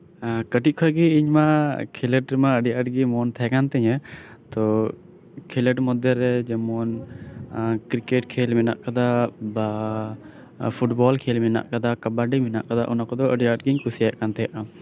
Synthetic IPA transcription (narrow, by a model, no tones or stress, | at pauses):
kəʈit̪̚kʰɔɡiːɲmakʰɛlɛʈɾɛmaəɖijaəʈɡimɔnt̪ʰɛɛkant̪ɛɲət̪ɔ | kʰɛlɛʈmɔd̪ɛɾːɛd͡ʒɛmɔn | kɾikɛʈ̚kʰelmɛna̰ʔkad̪aba | pʰuʈbɔlkʰelmɛna̰ʔkad̪akabaɖimɛna̰ʔkad̪aʔɔnakɔd̪ɔəɖijaəʈɡiɲkusijajaʔkant̪ɛjaʔa